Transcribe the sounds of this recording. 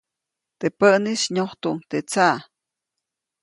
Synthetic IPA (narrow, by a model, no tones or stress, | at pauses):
t̪epəʔniʃɲoht̪uʔnt̪et͡sa